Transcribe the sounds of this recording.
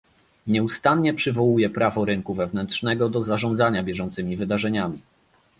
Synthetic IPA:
ɲɛust̪anɲɛpʂɘvɔwujɛpɾavɔɾɘŋkuvɛvnɛntʂnɛɡɔd̪ɔzaʐɔnd̪zaɲabʲjɛʐɔnt̪sɘmʲivɘd̪aʐɛɲamʲi

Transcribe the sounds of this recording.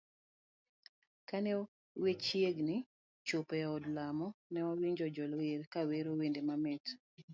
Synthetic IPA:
kanɛ | wet͡ʃjeɡnɪ | t͡ʃopɛɔdlamɔnɛwawiɲd͡ʒɔd͡ʒɔlweɾkaweɾowendemamɛt

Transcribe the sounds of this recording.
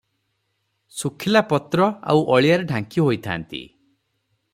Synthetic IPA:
sukʰilapɔt̪ɾɔa̰wʔɔɭijaɾeɖʱaŋkiɦojt̪ʰa̰ːnt̪ḭ

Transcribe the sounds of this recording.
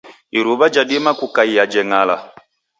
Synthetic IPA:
iɾuβad͡ʒaɗimakukaijad͡ʒɛŋala

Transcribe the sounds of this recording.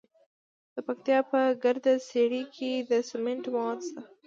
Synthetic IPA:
d̪̥əpakt̪jɑpəɡaɾd̪aseɽikʰed̪əsɪmɪnʈmad̪sa

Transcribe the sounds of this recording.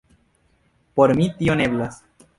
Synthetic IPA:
po̞ɾmit̪ione̞blas

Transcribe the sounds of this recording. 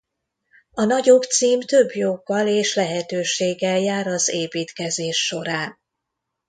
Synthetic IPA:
ɒnɒɟo̞kt̪siːmt̪ø̞bjoɡːɒleːʃlɛɦɛt̪øːʃeːɡːɛljaːɾɒzeːpiːt̪kɛzeːʃːo̞ɾaːn

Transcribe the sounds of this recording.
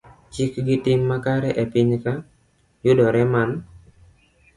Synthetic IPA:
t͡ʃɪkɡɪtɪmːakaɾɛʔɛpɪɲka | jʊdɔɾɛman

